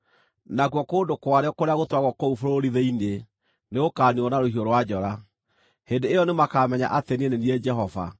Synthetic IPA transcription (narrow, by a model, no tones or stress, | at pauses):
naɣwɔkoːndokwaɾeɔkoɾeaɣotwaɣwɔkoufoɾoɾiðeine | neokaːniɔnaɾohioɾowad͡ʑɔɾa | hendeejɔnemakamɛɲa̰ʔateneneniɛd͡ʑɛɦɔva̰